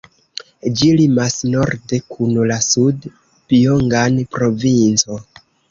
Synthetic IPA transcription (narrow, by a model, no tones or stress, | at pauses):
d͡ʒilimasno̞ɾde̞kʰunlasud | pioŋɡanpɾo̞vint͡so̞